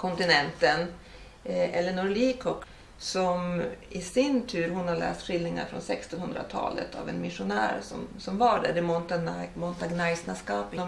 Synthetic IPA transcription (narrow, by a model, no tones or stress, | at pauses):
kʰɔnt̪ɪnɛnt̪ən | ʔɛlːəɳɔɾliːkʰɔk | sɔmɪsɪnt̪ʰʉ̟ːɾhʊnhaɭɛ̰ːst̪ɧɪlːnɪŋa̰ɾfɾɔ̰nsɛkst̪ɔnhɵnd̪ɾa̰t̪ʰɑ̰ːlə̰t̪ʰa̰vɛ̰nmɪʂʊnæːɾsɔ̰msɔmvaɖæ̰ɖɛmɔnt̪amɔnt̪aɡnajsnaskɑːpd̪ɔ